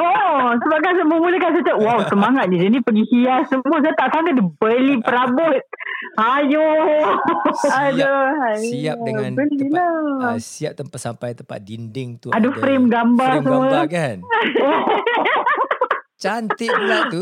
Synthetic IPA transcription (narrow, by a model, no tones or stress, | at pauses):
osəbakasəməmuləkans̬atəʔwawsəmaŋat̪̚nid͡ʒənipəɡisijasəmuəs̬ajat̪aʔsaŋɡədibəlipəɾabɔt̪̚hajo | ajoaiabəlilasiap̚t̪əmpasampajt̪əmpa̰dindɪŋt̪uadafɾemɡambars̬əmuəkano | t͡ʃant̪ila